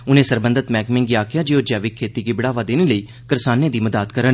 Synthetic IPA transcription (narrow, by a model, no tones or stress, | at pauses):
ʊnẽːsəɾbənd̪ət̪mɛːkmɪ̃ŋɡiaːkʰɪjaːd͡ʒeːoːd͡ʒɛːʋɪkʰːeːt̪iːkiːbɪɽaːʋaːd̪eːneːləiː | kəɾsaːnẽːd̪iːməd̪aːt̪kəɾən